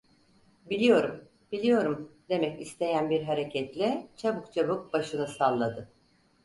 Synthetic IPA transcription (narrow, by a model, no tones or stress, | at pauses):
bilʲijo̞ɾum | b̥ilʲijo̞ɾumd̪e̞mɛcist̪ʰe̞jænbiɾɦaɾe̞cʰɛt̪lʲɛt͡ʃʰabɯkt͡ʃʰabuk̚baʃɯnɯsalˠːad̪ɯ